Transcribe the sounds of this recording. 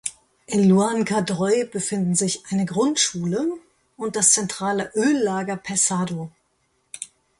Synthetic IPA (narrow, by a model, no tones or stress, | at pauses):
ʔɪnluankʰadʁɔʏbəfɪndn̩zɪçʔaɪnəɡʁʊntʃuːlə | ʔʊnt̚d̥ast͡sɛntʁ̥aːləʔøːlːaːɡɐpʰɛsaːdo